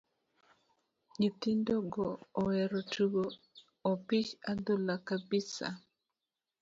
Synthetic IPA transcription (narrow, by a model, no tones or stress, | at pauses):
ɲit̪indoɡoːwɛɾotuɡoː | pit͡ʃad̪ulakabisa̰